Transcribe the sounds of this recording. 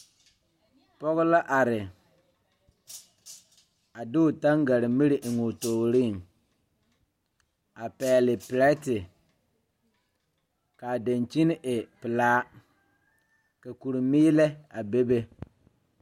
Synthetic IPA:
pɔ˦ɣʊ˦la˦ʔa˨ɾɪ˨ | a˨dɪ˦ʊ˨ta˦ŋɡa˨ɾɪ˨mi˦ɾɪ˨ʔŋu˨toː˨ɣɾi˦˨ŋ | a˨pɛː˨lɪ˨pɪ˨ɾɛ˦tɪ˨ | ka˨de˨nt͡ʃi˦nɪ˦ʔɪ˨pɪ˨laː˦ | ka˨ku˨ɾɪ˨miː˦lɛ˦a˨be˦be˦

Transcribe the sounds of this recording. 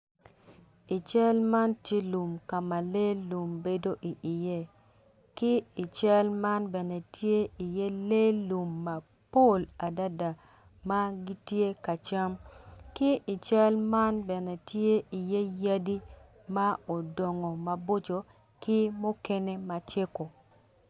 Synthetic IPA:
i˨t͡ʃa˦lma˦ntje˦lu˨mka˨ma˨le˦lu˨mbe˦do˦ʔi˨ʔɪ˨je˦ | kɪ˦i˨t͡ʃa˦lma˦nbɛ˨nɛ˨tje˦i˨je˦le˦lu˨mːa˨ | po˦˨la˨da˦da˨ | ma˦ɡɪ˦tje˦ka˨t͡ʃa˦mkɪ˦ʔɪ˨t͡ʃa˦lma˦nbɛ˨nɛ˨tje˦ʔi˨je˦ja˦di˦ | ma˦o˨dɔ˨ŋo˨ma˨bo˦t͡ʃo˨ | kɪ˦mo˦ke˦ne˦ma˦t͡ʃe˦ko˨

